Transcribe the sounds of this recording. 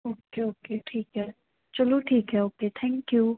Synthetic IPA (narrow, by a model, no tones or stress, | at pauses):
okeokʰetʰiɡɛ | t͡ʃəlutʰikɛokʰet̪ʰɛ̃ŋkju